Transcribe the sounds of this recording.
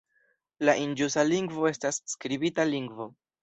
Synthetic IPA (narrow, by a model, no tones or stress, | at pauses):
laʔind͡ʒusaliŋɡvo̞e̞stasːkɾibitaliŋɡvo̞